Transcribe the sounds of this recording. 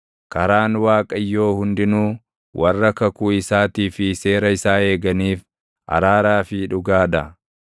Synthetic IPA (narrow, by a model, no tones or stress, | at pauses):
kɐɾaːnwaːkʼɐjːo̞ːhʊnd̪ɪnuː | wʔɐrːɐkɐkuːɪsaːt̪iːfɪse̞ːɾɐɪsaːe̞ːɡɐniːf | ʔɐ̰ɾaːɾaːfɪᶑʊɡaːᶑɐ